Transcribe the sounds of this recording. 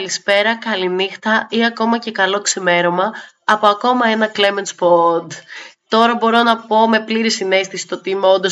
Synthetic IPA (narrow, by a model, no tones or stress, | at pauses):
lispe̞ɾɐkɐlinixt̪ɐiɐko̞mɐce̞kɐlo̞ksime̞ɾo̞mɐː | po̞ɐko̞mɐe̞nɐkle̞me̞nspod̪t̪o̞ɾɐbo̞ɾo̞nɐpo̞me̞pliɾisine̞st̪ɐsi̥t̪ot̪imeo̞nd̪o̞s